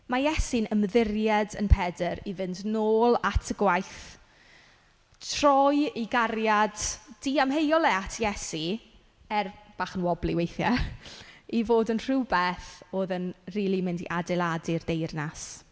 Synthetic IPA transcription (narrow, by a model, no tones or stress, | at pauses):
majɛsinəmðɪrjɛdə̰npʰɛdəɾivɪndnoːlˠatʰəɡwajθ | tʰr̥ɔjiɡarjadd̥iamɦejɔlˠɛatʰjɛsi | ɛrb̥aːχənwɔblˠiwejθja | ivoːdənr̥uwbɛθoːðənriːlˠimɪndḭʔadɪlˠadirdejrnas